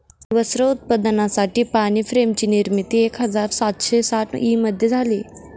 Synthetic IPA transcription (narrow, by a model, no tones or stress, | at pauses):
ʋəsɾəʊt̪̚pəd̪ənãsaːʈipaːnipʰɾeːmt͡ɕiniɾmit̪ieːkɦɐzaːɾsaːt̪ʃeːsaːʈʰʔiːmɐd̪ʱjed͡z̪ʱaːliː